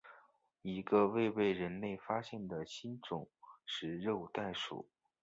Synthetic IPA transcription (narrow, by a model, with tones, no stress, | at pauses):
i˧˥ɡə˧we˥˧ɪpe˥˩ɪɻə˧˥nle˥˩ɪfa˥ɕjɛ˥˩nd̪ə˩ɕi˥nʈ͡ʂʊ˨˩˦ŋʂɻ̩˥˧ɻo˥˧ʊt̪a˥˩ɪʂṵ˨˩˦